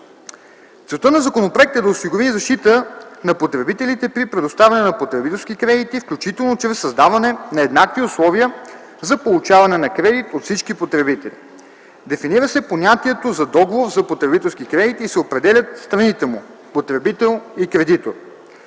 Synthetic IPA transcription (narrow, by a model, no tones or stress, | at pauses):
t̪sɛlˠt̪ənɐzɐkonopɾoɛk̚t̪ɛd̪ɐosiɡoɾizɐʃt̪it̪ənɐpot̪ɾɛbit̪ɛlit̪ɛpɾipɾɛd̪ʊst̪avʲɛɐnɛnɐpot̪ɾɛbit̪ɛlˠsk̟ikɾɛd̪it̪ifklʲut͡ʃit̪ɛlˠnot͡ʃɾɛsːɐzd̪avɐnɛnɐɛd̪nakt̪iʊslˠɔviə | zɐpolˠut͡ʃavɐnɛnɐkɾɛd̪it̪ot̪fsit͡ʃkipot̪ɾɛbit̪ɛlʲḭ | d̪ɛfiniɾəsɛponʲat̪iɛt̪ozɐd̪ɔɡovoɾzɐpot̪ɾɛbit̪ɛlˠskikɾɛd̪it̪isɛopɾɛd̪ɛlʲət̪st̪ɾɐnit̪ɛmu | pot̪ɾɛbit̪ɛlˠikɾɛd̪it̪o̰ɾ